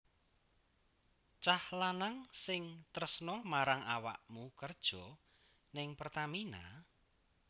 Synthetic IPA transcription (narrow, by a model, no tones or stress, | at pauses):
t͡ʃahlanaŋsɪŋt̪əɾəsnɔmaɾaŋawa̰ʔmukərd̥ʒ̥ɔ | nɪŋpərt̪amina̰